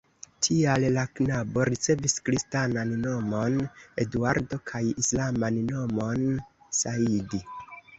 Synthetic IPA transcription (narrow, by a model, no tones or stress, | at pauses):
tʰiallaknabo̞ɾit͡se̞viskɾistananno̞mo̞ne̞duaɾdo̞kʰajislamanno̞mo̞n | saidi